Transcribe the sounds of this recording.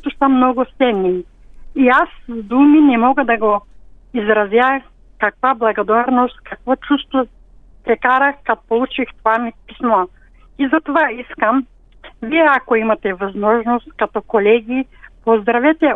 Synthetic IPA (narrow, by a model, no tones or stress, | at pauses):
t̪osɐmnɔɡʊsɛnːi | iasvd̪uminɛmɔɡɐd̪ɐɡoizɾɐzjax | kakvablˠɐɡod̪aɾnost̪kɐkvɔt͡ʃust̪vo | pɾɛkaɾɐxkat̪o̥polˠut͡ʃixt̪ovamipismɔ | izɐt̪ovaiskɐm | viɛakoimɐt̪ɛvazmɔʒnost̪kat̪ɔkolɛɡʲipozd̪ɾɐvɛt̪ɛ